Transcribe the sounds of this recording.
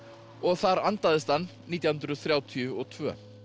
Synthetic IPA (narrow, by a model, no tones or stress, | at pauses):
ɔɣθaɾant̪aðɪst̪anniːt̪jahʏnt̪ɾʏθɾjaːwt̪ʰiʏɔɣt̪ʰvœ̰ː